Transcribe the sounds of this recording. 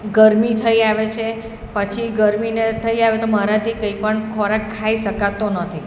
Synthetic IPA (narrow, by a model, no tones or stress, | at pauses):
ɡəɾmit̪ʰəiaʋet͡ʃʰe | pət͡ʃʰiɡəɾminet̪ʰəiaʋet̪oməɾad̪ikəipəɳkʰɔɾakkʰːaiʃəkat̪onət̪ʰi